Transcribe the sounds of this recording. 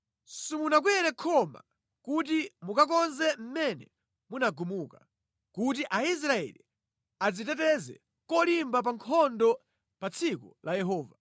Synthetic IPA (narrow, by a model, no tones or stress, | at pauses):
sumunak̬wɛɾɛkʰɔma̰ | kut̬imukak̬ɔnzɛm̩mɛnɛ̰ | munaɡumuka | kut̬iʔais̬ɾaɛ̰lḭ | ad͡zitɛt̬ɛzɛ̰ | kɔlimbap̬aŋkʰɔndɔ | pat͡sʰikulʔajɛɦɔːva